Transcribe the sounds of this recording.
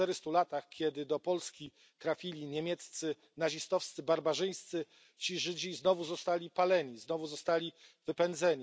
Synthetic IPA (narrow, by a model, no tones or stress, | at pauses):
t̪ɛɾɘst̪ulat̪axkʲɛd̪ɘd̪ɔpɔlskʲi | t̪ɾafʲilʲiɲemʲjɛt̪st̪sɘ | naʑist̪ɔfst̪sɘbaɾbaʐɘj̃st̪sɘ | t͡ɕiʐɘd͡ʑiznɔvuzɔst̪alʲipalɛɲiznɔvuzɔst̪alʲivɘpɛnd̪zɛɲi